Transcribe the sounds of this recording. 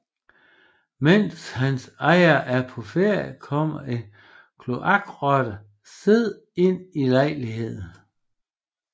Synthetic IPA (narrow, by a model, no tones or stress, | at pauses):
men̰shænsɑ̈ɪ̰ɐʔæɐpʰɒ̽feɐ̰jkʰɒ̽m̰ɐʔe̝n | kʰlo̝ʔɑ̈ɡ̥ʁɒd̥ə | se̝ð̰ˠ | e̝n̰ilɑ̈ɪ̰liɦe̝ð̰ˠn̩